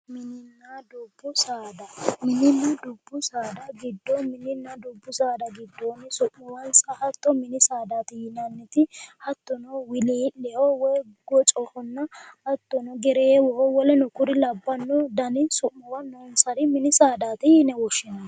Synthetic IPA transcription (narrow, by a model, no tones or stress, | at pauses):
mɪnɪnːaːd̪ʊbːʊsaːd̪ɐmɪnɪnːɐd̪ʊbːʊsaːd̪ɐɡɪd̪ːɔmɪnːɪnːɐd̪ʊbːʊsaːd̪ɐɡɪd̪ːɔːnɪsʊʔmɔwɐnsɐhɐt̪ːɔmɪnɪsaːd̪aːt̪ɪjɪnɐnːɛt̪ɪhɐt̪ːɔnɔwɪliːlɛɔwɔjɡɔt͡ʃʼɔhɔnːɐhɐt̪ːɔnɔɡɛɾeːwɔhɔwɔlɛnɔkʊɾɪlɐbːɐnːɔd̪ɐnɪsʊʔːɔwɐnːɔnsɐd̪ɪmɪnɪsaːd̪aːt̪ɪjɪnɛwɔʃːɪnɐ